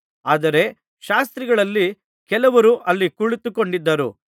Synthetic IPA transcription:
aːd̪ɐɾe̞ | ʃaːst̪ɾiɡɐɭɐlːi | kɛlɐʋɐɾuʔɐlːikuɭit̪uko̞ɳɖid̪ːɐɾṵ

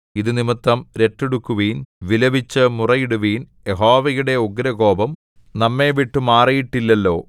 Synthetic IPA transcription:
iðɨnimɐt̪ːɐmɾe̞ʈːeɽukːuʋiːnʋilɐbit͡ɕːɨmurɐjiɽuʋiːn | jeɦoːʋɐjuɽe̞oɡɾɐɡo̞ːbɐm | nɐmːe̞ːʋiʈːumaːrijiʈːilːɐlːo̞̰ː

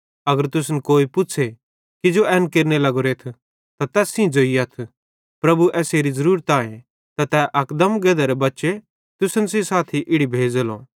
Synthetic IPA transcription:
ɐɡəɾt̪ʊsnkoːipʊt͡ʃʰe | kid͡ʒoʔɛːnkeːɾnelɐɡoɾeːt̪ʰ | t̪at̪ɛːsĩd͡ʒoːiɐt̪ʰ | pɾɐbuʔɛːseːɾizɐɾuːɾt̪ãːẽ | t̪at̪ɛʔɐkd̪ɐmɡɛːd̪aɾebɐtːʃe | t̪ʊsənsĩsaːt̪ʰiʔɪɽibʱeːd͡ʒlõ̰ː

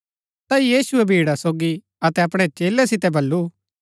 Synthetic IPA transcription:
t̪aijiːsʊɛbʱiːɽasoːɡi | ɐt̪ɛɐpɽ̃ɛt͡ʃeːlɛsɪt̪ɛbʱɐlːu

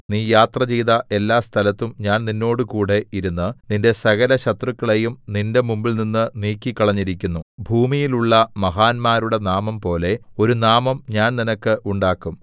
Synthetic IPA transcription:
niːjaːt̪rɐt͡ɕiːðɐʔe̞lːaːst̪ʰɐlɐt̪ːumɲaːnninːo̞ːɽɨkuːɽe̞iɾunːɨninde̞sɐɣɐlɐɕɐt̪rukːɐɭe̞jumninde̞mumbilninːɨniːkːikːɐɭɐɲːiɾikʲːunːubʱuːmijiluɭːɐmɐɦaːnmaːɾuɽe̞naːmɐmpo̞ːle̞o̞ɾunaːmɐmɲaːnninɐkːɨʔuɳɖaːkːum

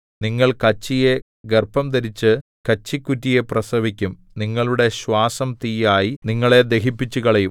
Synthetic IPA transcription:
niŋːɐɭkɐt͡ɕːije̞ | ɡerpɐmt̪ɐɾit͡ɕːɨ | kɐt͡ɕːikʲːutːije̞prɐsɐʋikʲːum | niŋːɐɭuɽe̞ɕwaːsɐmt̪ijaːjiniŋːɐɭe̞d̪e̞ɦipːit͡ɕːukɐɭɐjum

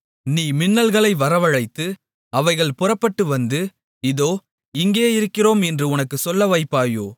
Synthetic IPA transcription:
niːmɪnːɐlɣɐɭɐɪʋɐɾɐʋɐɻɐɪt̪ːɯ | ɐʋɐɪɣɐɭpʊrɐpːɐʈːɯʋɐnd̪ɯ | ɪðoː | ɪŋɡeːɪɾɯkːɪroːmɛndrɯʊnɐkːɯsɔlːɐʋɐɪpːaːjoː

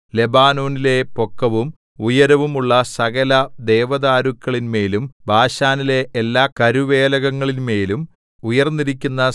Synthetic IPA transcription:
le̞baːno̞ːnile̞po̞kːɐʋum | ujɐɾɐʋumuɭːɐsɐɣɐlɐd̪eːʋɐðaːɾukːɐɭinme̞ːlumbʱaːɕaːnile̞ʔːlːaːkɐɾuʋe̞ːlɐɣɐŋːɐɭinme̞ːlum | ujɐrnːiɾikʲːunːɐ

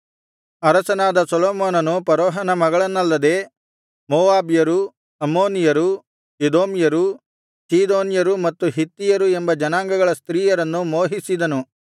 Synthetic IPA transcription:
ɐɾɐsɐnaːd̪ɐsɐlɔːmoːnɐnupɐɾɔːɦɐnɐmɐɡɐɭɐnːɐlːɐd̪e̞ː | moːʋaːbjɐɾu | ɐmoːnijɐɾu | ed̪oːmjɐɾu | siːd̪oːnjɐɾumɐt̪ːuɦit̪ːijɐɾue̞mbɐd͡ʒɐnaːŋɡɐɡɐɭɐst̪ɾiːjɐɾɐnːumoːɦisid̪ɐnu

